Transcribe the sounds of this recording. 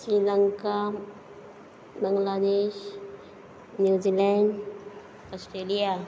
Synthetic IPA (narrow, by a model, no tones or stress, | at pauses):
sɾilaŋka | bəŋɡlad̪eʃ | njuzilɛɳɖ | ɔsʈɾelija